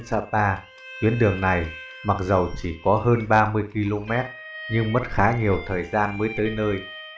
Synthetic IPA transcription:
nsaː˧˩paː˧ | t̪wi˨˦ənɗɨ˨˩əŋna˨˩j | ma˨˩t̚zə˨˩wt͡ɕi˧˩kɔ˨˦həː˧nɓaː˧mɨ˧əjki˧lo˧mɛ˦˥t̚ | ɲɨ˧ŋmə˦˥t̚xaː˨˦ɲi˨˩əwt̪ʰəː˨˩jzaː˧nməː˨˦jt̪əː˨˦jnəː˧j

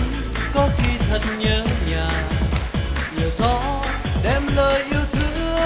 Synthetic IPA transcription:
kɔ˨˦xʰi˧t̪ʰə˨˩t̚ɲəː˨˦ɲaː˨˩ | ləː˨˩zɔ̰˧˨ | ɗɛ˧˩mləː˧˩jʔi˧əwt̪ʰɨ˧˥˧ə

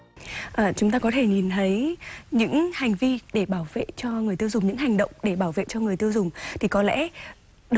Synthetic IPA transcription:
ʔəː˨˩t͡ɕʊ˨˦ŋ͡mt̪aː˧kɔ˨˦t̪ʰe˧˩ɲi˨˩nt̪ʰə˨˦jɲɨ̰˧˥ŋha˨˩jŋ̟vi˧ɗe˧˩ɓaː˧˩wvḛ˧˨t͡ɕɔ˧ŋɨ˨˩jt̪i˧əwzʊ˨˩ŋ͡mɲɨ̰˧˥ŋha˨˩jŋ̟ɗə̰˧˨wŋ͡mɗe˧˩ɓaː˧˩wvḛ˧˨t͡ɕɔ˧ŋɨ˨˩əjt̪i˧wzʊ˨˩ŋ͡mt̪ʰi˨˩kɔ˨˦lɛ̰˧˥ | ɗ

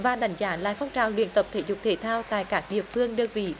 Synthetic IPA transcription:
vaː˨˩ɗa˨˦jŋ̟zaː˨˦la̰ː˨jfɔ˧wŋ͡mt͡ɕaː˨˩wlwḭ˧˨ənt̪ə˨˩p̚t̪ʰḛ˧˩˦zʊ˨˩k͡p̚t̪ʰe˧˩t̪ʰaː˧wt̪a̰ː˧˨jkaː˦˥k̚ɗḭ˧˨əfɨ˧əŋɗə˧nvḭ˧˩˨

